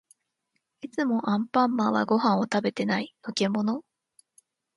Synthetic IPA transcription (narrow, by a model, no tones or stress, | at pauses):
it͡sɨmo̞ʔãmpãmːaβa̰ɡo̞ɦãɰ̃o̞t̪abe̞t̪e̞nainoke̞mo̞no̞